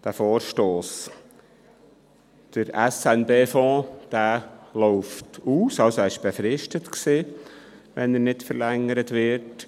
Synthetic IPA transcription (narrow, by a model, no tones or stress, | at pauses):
d̥æfoːɾʃtoːs | d̪̥əɾɛsɛnbeːfɔ̃ːd̥æːlɔʊftuːsɑwsoæːɪʃb̥efɾɪʃtətksiː | ʋɛnəɾnɪtfəɾlɛŋːəɾətʋɪɾt